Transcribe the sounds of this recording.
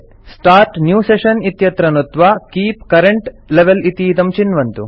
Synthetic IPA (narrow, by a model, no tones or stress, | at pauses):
sʈaːɾʈnjuːseʃɐnit̪jɐt̪ɾɐnut̪ʋakiːpkɐɾeɳʈleʋelit̪id̪ɐmt͡ʃinʋɐnt̪u